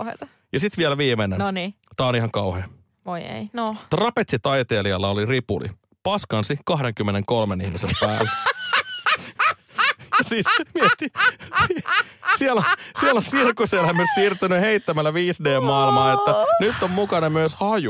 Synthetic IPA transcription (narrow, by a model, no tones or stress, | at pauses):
hḛt̪ɑ | jɑsit̪ʋielʋiːmenennit̪æːonihɑŋkɑuhḛː | ʋoḛinot̪rɑpet̪ʲsit̪ɑit̪eːliɑlːɑoliripṵlḭ | pɑskɑnsikɑhdeŋkymːeneŋkolmenihmisempæːlːe | jɑsiːsmiet̪ːisisielosielonsiːskusielæmyøssiːrt̪ynyheit̪ːæmælːæʋiːsdeːmmɑilmɑːet̪ːænyt̪ːommukɑnemyøshɑju